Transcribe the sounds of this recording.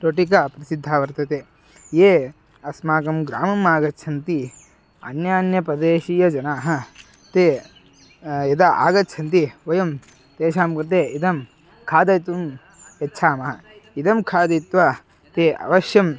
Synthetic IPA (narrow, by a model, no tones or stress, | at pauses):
ɾoʈik̬ɐpɾɐsid̪ʱːaːʋɐɾt̪ɐt̪eː | jeː | ɐsmaːkɐmɡɾa̰ːmɐmaːɡɐt͡ʃʰɐnt̪i | ɐ̰njaːnjɐpɾɐd̪eːʃijɐd͡ʒɐnaːɦɐ | t̪eː | ɐd̪ɐʔa̰ːɡɐtːt͡ʃʰɐnt̪iʋɐjɐm | t̪eːʃaːmkɾɐt̪eːid̪ɐm | kʰaːd̪ɐjt̪um | etːʃʰaːmɐɦɐ | id̪ɐmkʰaːd̪it̪ʋɐ | t̪eːɐ̰ʋɐʃjɐm